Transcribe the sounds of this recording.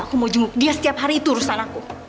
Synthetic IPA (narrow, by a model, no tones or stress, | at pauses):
akumod͡ʒuŋɡʊk̚diasə̥t̪iap̚ɦaɾiːt̪uɾusanaku